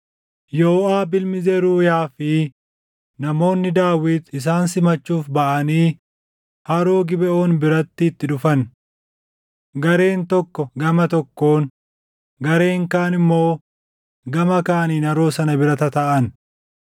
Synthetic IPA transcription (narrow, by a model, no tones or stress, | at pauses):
joːʔaːbɪlmɪzeɾuːjaːfɪ | nɐmo̞ːnːɪd̪aːwiːt̪ɪs̬aːnsɪmɐt͡ʃːuːfbɐʔɐniː | hɐɾoːɡɪbɛʔo̞ːnbɪɾɐt̪ːɪːt̪ːɪᶑʊfɐn | ɡɐɾe̞ːnt̪ɔkːɔɡɐmɐt̪ɔkːo̞ːn | ɡɐɾe̞ːŋkaːnɪmːo̞ː | ɡɐmɐkaːniːnɐɾo̞ːsɐnɐbɪɾɐt̪ɐt̪ɐʔɐn